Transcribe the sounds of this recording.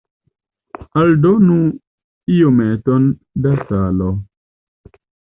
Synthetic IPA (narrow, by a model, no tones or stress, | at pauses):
aldonũ | ijomɛ̃tɔn | dasalɔ